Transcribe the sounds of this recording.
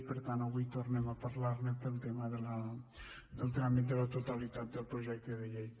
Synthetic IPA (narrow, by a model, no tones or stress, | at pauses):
peɾt̪anõβijt̪oɾnemɐpɐɾlaɾnepelt̪emɐðelɐ | d̪elˠt̪ɾamit̪̬elɐt̪ot̪alit̪at̪d̪elpɾoʒɛk̚t̪oðeʎej̪